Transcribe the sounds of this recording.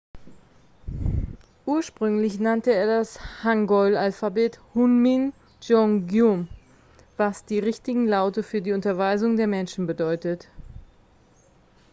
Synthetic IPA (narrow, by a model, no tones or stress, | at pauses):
ʔuːɐʃpʁ̥ʏŋlɪçnantəeːɐdashaŋɡɔʏlalfabeːthunmin | d͡ʒɔŋɡjum | vasd̥iːʁɪçtɪɡŋ̩laʊtəfyːɐdiːʊntɐvaɪzʊŋdeːɐmɛnʃn̩bədɔʏtət